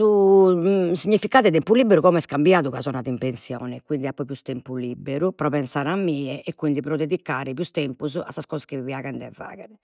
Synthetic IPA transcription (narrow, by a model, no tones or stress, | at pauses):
u | siɲːifikaːðɛt̪ɛmpuliːbeɾukɔmɛskambjaːðuɣazɔnaðimpensjɔ̰ːnɛkwind̪iapːɔpjust̪ɛmpulibeɾupɾɔpɛnsaːɾamːiːɛʔɛkːwind̪ipɾɔd̪ed̪ikːaːɾɛpjust̪ɛmpuza̰sːaskɔːzaskeviaːɣand̪ɛ̰vːa̰ːɣɛðɛ